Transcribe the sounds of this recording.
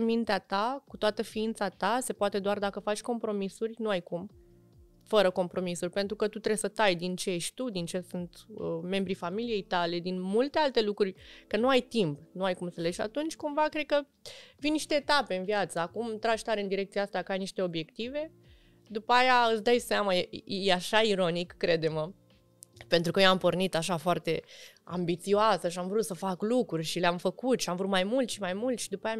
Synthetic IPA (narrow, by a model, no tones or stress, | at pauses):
mint̪eat̪akut̪oat̪əfiint̪sat̪ase̞poat̪e̞d̪oard̪akəfat͡ʃʲko̞mpɾo̞misurʲnuajkum | fəɾəko̞mpɾo̞misurʲpe̞nt̪ɾukət̪ut̪ɾe̞sət̪ajd̪int͡ʃejeʃt̪ʲt̪ud̪int͡ʃe̞sunt̪əme̞mbɾifamilije̞jt̪ale̞d̪inmult̪e̞alt̪e̞lukɾurʲkənuajt̪impnuajkumsəleʃa̰t̪unt͡ʃʲkumvakɾed̪̚kə | vinniʃt̪e̞ːt̪ape̞ɨnviat̪səakumt̪ɾaʃt̪aɾeɨnd̪iɾe̞kt̪siaast̪akəajniʃt̪e̞o̞bje̞kt̪ive̞ | d̪upəajaɨt̪sd̪ajseamajejeaʃaiɾo̞nikːɾe̞d̪e̞mə | pe̞nt̪ɾukəjoampo̞rnit̪aʃafoart̪e̞a̰mbit̪sioasəʃ̬iamvɾut̪səfaklukɾurʲʃileamfəkut̪ʃiamvɾut̪majmult̪ʃimajmult̪ʃid̪upaja